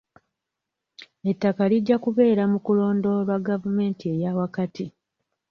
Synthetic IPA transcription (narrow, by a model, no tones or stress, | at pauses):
etːakaliɟːakuβe̞ːɾamukulo̞ːndo̞ɾwaɡavume̞ːntie̞jawakati